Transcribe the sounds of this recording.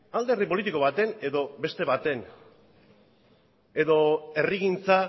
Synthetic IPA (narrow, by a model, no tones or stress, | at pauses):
ald̪erðipo̞lit̪iko̞βat̪e̞ne̞ðo̞be̞st̪e̞βat̪e̞n | e̞ðo̞e̞riɣint͡sa